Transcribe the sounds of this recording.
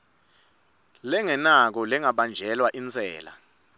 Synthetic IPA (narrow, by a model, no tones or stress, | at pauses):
lɛŋɛnak̬ɔlɛŋaɓand͡ʒʱɛlwaʔint͡sʰʼɛ̰ːla̰